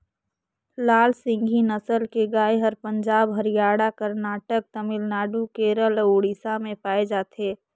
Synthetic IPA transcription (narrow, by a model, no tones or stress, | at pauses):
laːlsɪ̃ŋɡʱinəsəlkeɡaːeɦəɾpəɲd͡ʒaːbɦəɾijaːɽakəɾnaːʈək̚t̪əmɪlnaːɖukeɾəloːɽisamẽpaːed͡ʒaːt̪ʰeː